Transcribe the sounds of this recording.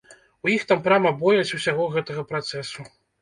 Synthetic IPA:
ujixt̪ampɾʲamɐbɔjɐt͡sʲusʲaɣɔɣɛt̪ɐɣɐpɾat̪sɛsu

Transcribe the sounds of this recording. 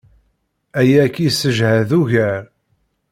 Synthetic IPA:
æjækːisəʒhæðuʝæɾ

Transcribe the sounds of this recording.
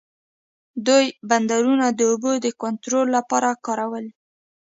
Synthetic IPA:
d̪ujband̪aɾunad̪əobod̪əkont̪ɾolːapɑɾakɑɾawəl

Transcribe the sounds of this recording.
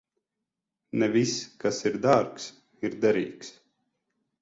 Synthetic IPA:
nɛviskasiɾd̪aɾks | iɾd̪ɛɾiːks

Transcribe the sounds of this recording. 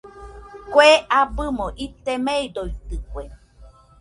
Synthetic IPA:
kʷoeabɨmõʔit̪emeidoit̪ɨkʷe

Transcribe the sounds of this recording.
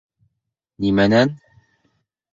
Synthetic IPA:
nimænæn

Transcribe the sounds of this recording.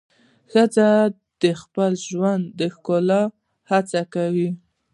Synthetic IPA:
xəd͡za | d̪̥əxpəlʒwand̪ːəxkolɑ | hat͡sakawi

